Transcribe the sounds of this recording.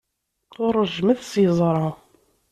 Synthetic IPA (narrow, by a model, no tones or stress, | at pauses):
ʊɾˤːəʒmæθsjzˤɾˤɑ